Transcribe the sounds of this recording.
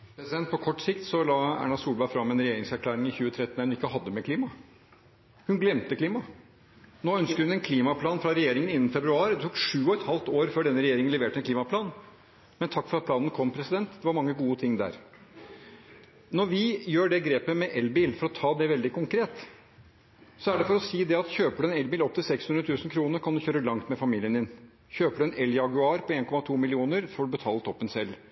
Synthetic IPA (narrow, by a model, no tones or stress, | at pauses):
pʰɾɛsɪd̪ɛnt̪̚pʰɔkʰɔʈːsɪkt̪sɔlɑːæ̰ːɳɑsuːlbɑɪfɾɑmːɛnɾɛjeːɾɪŋsæɾkʰlæːɾɪŋɪçʉːət̪ʰɾɛt̪ːnɛnɪkːəɦɑd̪ːəmɛkʰliːmɑ | hʉnɡlɛmt̪əkliːmɑ | noːœnskəɾhʉnɛnkʰliːmɑpʰlɑːnfɾɑɾɛjeːɾɪŋənɪnːn̩fɛbɾʉɑːɾd̪ɛt̪ʰuːkʂʉːɔɛt̪hɑlt̪oːɾføːɖɛnːəɾɛjeːɾɪŋnɛʋeːʈəɛnkʰliːmɑpʰlɑːn | mɛnt̪ʰɑkːfɔɾɑt̪̚pʰlɑːnənəkʰɔmːpʰɾɛsɪd̪ɛnt̪d̪ɛʋɑɾmɑŋːəɡuːət̪ʰɪŋːd̪æ̰ːɾ | nɔɾʋɪjøːɖɛɡɾeːpəmɛʔɛlbiːlfɔɾɔt̪ʰɑːd̪ɛʋɛld̪ɪkʊŋkʰɾeːt̪ | sɔæɖɛfɔɾɔsiːd̪ɛɑt̪çøːpəɽəɛnɛlbiːlɔp̚t̪ʰɪlsɛkshʉnɾət̪ʰʉːsn̩kʰɾuːnəɾkʰɑnd̪ʉçøːɾəlɑŋt̪mɛfɑmiːlɪənd̪ɪn | çøːpəɽəɛnɛljɑɡʉɑːɾpʰɔeːnkɔmɑt̪ʰuːmɪlɪuːnəɾfɔɖʉbət̪ʰɑːlət̪ʰɔpːənsɛlː